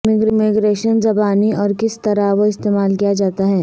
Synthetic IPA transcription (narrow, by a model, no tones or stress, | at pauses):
mɪɡɾmɪɡɾeːʃənzɐbaːniʔɔːɾkɪst̪ɐɾaʋoɪst̪eːmaːlkijad͡ʒaːt̪aɦɛː